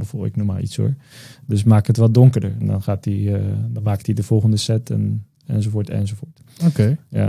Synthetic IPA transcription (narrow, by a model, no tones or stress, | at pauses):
bəfɔlˠɪ̰knɔma̰ːlˠḭtso̰ːɹdøs̬maːkhətʋɔdɔŋkəɹdəɹɛndɔ̰nχaːtidɔnmaːk̚tidəfɔlˠχəndəsɛtʰɛ̰n | ɛ̰nsofoːtɛ̰nsofoːt | okeja̰